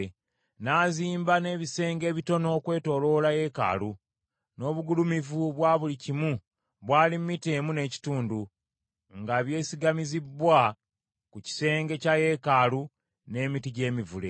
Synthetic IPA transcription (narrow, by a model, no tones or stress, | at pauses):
naːziːmbane̞ːβise̞ːŋɡe̞ːβito̞no̞ːkwe̞ːto̞lo̞laje̞ka̰lu | no̞ːβuɡulumivuβwaːβulicimu | βwaːlimmːiteːmune̞ːci̥tuːndu | ŋɡaβje̞ːsiɡamizibːwa | kuci̥se̞ːŋɡe̞caje̞kalu | ne̞ːmitiɟe̞ːmivule̞̰